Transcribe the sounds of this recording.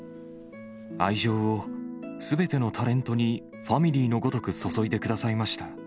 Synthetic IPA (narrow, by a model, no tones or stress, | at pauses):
aiʑo̞ːosɨbe̞t̪e̞no̞t̪ʰaɾẽ̞nt̪o̞ɲ̟i | ɸamʲiɾʲiːno̞ɡo̞t̪o̞kɯ̟so̞so̞id̪e̞kɯ̟d̪asaimaɕi̥t̪a